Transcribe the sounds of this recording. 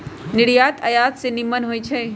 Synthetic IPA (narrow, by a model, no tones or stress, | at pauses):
nɪɽijaːt̪ʰɐjaːt̪senɪmənɦoːit͡ʃʰe